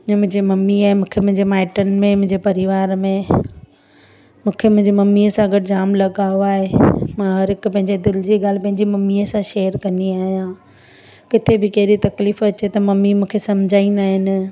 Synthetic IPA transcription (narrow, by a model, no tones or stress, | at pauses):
mʊ̃ɦɪ̃ɲd͡ʑemɐmiaːɦemũːkʰemʊ̃ɦɪ̃ɲd͡ʑemaːɪʈənmẽmʊ̃ɦɪ̃ɲd͡ʑepɐɾɪʋaːɾmẽ | mũːkʰemʊ̃ɦɪ̃ɲd͡ʑemɐmːiəsãɡɐɽɪd͡ʑaːmlɐɠaːoaːɦemãɦɐɾɦɪkʊpɐ̃ɦɪ̃ɲd͡ʑed̪ɪld͡ʑiɡaːl̤ɪpɐ̃ɦɪ̃ɲd͡ʑimɐmːiəsãʃeːəɾkɐ̃nd̪iaːɦijã | kɪt̪ʰebɪkɐɦɪɾit̪ɐkliːfɐt͡ɕet̪ɐmɐmimũːkʰesɐmd͡ʑʱaːĩːn̆d̪aːɦɪnɪ̆